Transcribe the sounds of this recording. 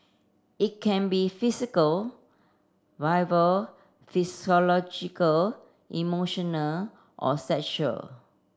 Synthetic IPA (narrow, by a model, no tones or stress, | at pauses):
it̚kʰɛ̃nbifisikəl | vaɪvəl | fisiɔlɔd͡ʒikəl | ʔḭmoʃɔ̃nəl | ʔɔ̰sɛkʃuə̰l